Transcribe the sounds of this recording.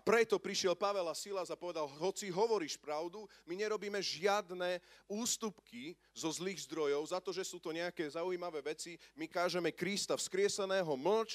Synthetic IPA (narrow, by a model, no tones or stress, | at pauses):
apɾɛt̪ɔpɾiʃɪɛlpaʋɛlasilazapɔʋɛd̪alɦɔt͡siɦɔʋɔɾiːʃpɾaʊd̪umiɲɛɾɔbiːmɛʒɪad̪nɛːuːst̪upki | zɔzliːɣzd̪ɾɔjɔʊzat̪ɔʒɛsuːt̪ɔɲɛakɛːzaujimaʋɛːʋɛt͡simikaːʒɛmɛkɾist̪afskɾɪɛsɛnɛːɦɔml̩t͡ʃ